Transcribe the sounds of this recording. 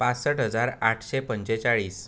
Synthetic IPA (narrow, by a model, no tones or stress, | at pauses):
pat͡ssəʈɦəd͡zaɾaʈʰɕepəɲt͡ɕet͡saɭiːs